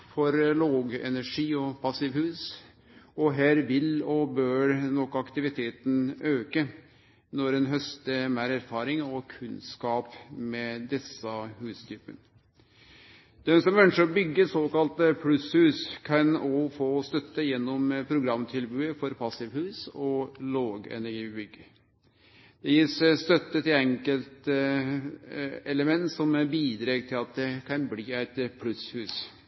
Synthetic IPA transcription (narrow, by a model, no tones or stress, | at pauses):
fɔɾloːɡɛ̰næʂiːɔpʰɑsɪʋhʉːs | ɔɦæːɾʋɪlɔbøːɾnɔkːɑkt̪ɪʋɪt̪ʰeːt̪n̩øːkə | nɔɾɛnɦœst̪əmæɾæɾfɑːɾɪŋɔkʰʉnskɑːpmɛd̪ɛsəhʉːst̪ʰyːpə̰n | d̪̥ɛnsɔmœnʂəɾbʏɡːəɾsoːkɑlt̪əpʰlʉshʉːskʰɑnɔfoːst̪œt̪ːəjɛnːɔmpʰɾʊɡɾɑmːt̪ʰɪlbʉːəfɔɾpʰɑsɪʋhʉːsɔloːɡɛ̰næɾɡiːbʏɡːə | d̪̥ɛjiːsst̪œt̪ːət̪ʰɪlɛŋkəlt̪ | ɛləmɛnt̪sɔmbiːd̪ɾeːɡt̪ʰɪlɑt̪̚d̪ɛkʰɑnbliːæɪt̪pʰlʉshʉːs